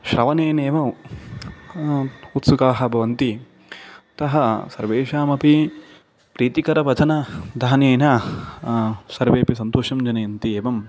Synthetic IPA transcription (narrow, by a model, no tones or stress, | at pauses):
ʃɾɐʋɐneːneːʋɐ | ut̪sukaːɦɐ̆bʱɐʋɐnt̪i | t̪ɐɦɐsɐɾʋeːʃaːmɐpi | pɾiːt̪ikɐɾɐʋɐd͡ʒ̪ʰʱɐnɐd̪ʱaːnjeːnɐ | sɐɾʋeːpis̬ɐnt̪oːʃɐmd͡ʒɐnɐjɐnt̪ieːʋɐm